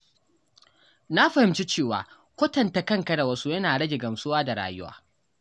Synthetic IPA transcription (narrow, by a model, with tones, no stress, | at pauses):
na˦ɸɐ˨hɪ˨mt͡ʃi˦t͡ʃeː˦˨wa̰ː˨ | kʷɐ˦tɐ˨nta˨kɐ˦ŋkɐ˦da˨wɐ˦su˦jɐ˦naː˨ɽɐ˦ɡʲe˨ɡɐ˨msʊ˦waː˦da˨ɽa̰ː˨jʊ˦wa̰ː˦